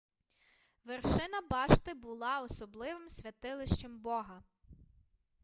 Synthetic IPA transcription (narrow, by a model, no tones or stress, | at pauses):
ʋerʃɪnɐbɑʃt̪ɪbʊlˠɑɔsɔblˠɪʋɪmsʲʋʲɐt̪ɪlˠɪʃt͡ʃembɔɦɐ